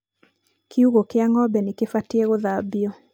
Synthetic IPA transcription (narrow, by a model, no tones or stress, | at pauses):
kʰiuɣokeaŋɔbɛnɪkefatieɣoðabjɔ